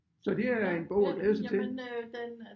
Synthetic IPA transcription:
sɒ̽d̥eæɐe̝nb̥ɔʊ̰æɡ̥lɛːð̞ˠəs̬ɑt͡sʰel

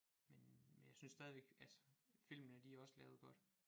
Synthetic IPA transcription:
menmenjɑ̈synsːd̥ɛð̞ˠiʋeɡ̥ælsə̥fil̰mənəd̥iæɒ̽səlɛːʊðˠɡ̥ɒ̽d̥

